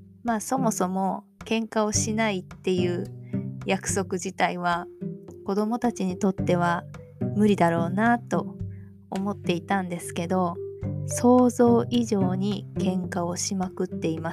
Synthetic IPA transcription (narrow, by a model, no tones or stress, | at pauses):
maːso̞mo̞so̞mo̞kẽ̞ŋkao̞ɕinait̪ːe̞jɯ̟ːjakɯ̟̥so̞kɯ̟ʑit̪aiβ̞ako̞d̪o̞mo̞t̪at͡ɕiɲ̟it̪o̞t̪ːe̞β̞a | mɯ̟ɾʲid̪aɾo̞ːnat̪o̞ | omo̞t̪ːe̞it̪ãnd̪e̞sɨ̥ke̞d̪o̞so̞ːzo̞ːʔiʑo̞ːɲ̟ikẽ̞ŋkao̞ɕimakɯ̟t̪ːe̞imas